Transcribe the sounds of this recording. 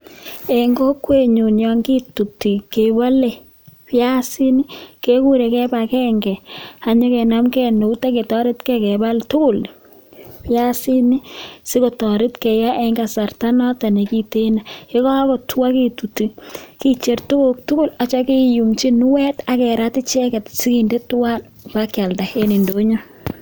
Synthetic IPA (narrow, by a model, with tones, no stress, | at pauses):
e˨ŋɡɔ˦kwe˦ɲu˨njɔ˨ŋɡi˦tu˨ti˨ke˨wa˦le˨ | pja˦si˦ni˦ke˦ku˦ɾe˨kɛ˦ba˨kɛ˦ŋɡɛ˨a˨ɲɔ˦kɛ˨na˦mkɛ˦no˨u˦ta˦ke˨tɔ˦ɾɪ˦tkɛ˦kɛ˨ba˦ltʊ˦kʊ˦˨l | pja˦si˦ni˦sɪ˦ko˨tɔ˨ɾɪ˦tkɛ˨ja˦ʔe˦ŋɡa˨sa˨rta˦nɔ˦ta˨ne˨ki˦te˦na˨e˦kɔ˦a˦kɔ˨twa˦ke˦tu˨ti˦ki˦t͡ʃe˨rtʊ˦kʊk̚tʊ˦kʊ˦la˨t͡ʃɔ˦ke˦ju˨ŋt͡ʃi˦nʊ˦wɛ˦ta˨kɛ˨ɾa˦tɪ˦t͡ʃɛ˦kɛ˨tsɪ˦ki˨nde˦twa˦n | pakja˨lta˨he˦ni˨ndo˦ɲo˦